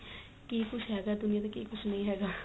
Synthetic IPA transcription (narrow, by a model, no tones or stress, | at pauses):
kiːkʊt͡ʃʰɦɛːɡaːd̪ʊnijãt̪ãkiːkʊt͡ʃʰnɐɦĩːɦɛːɡaː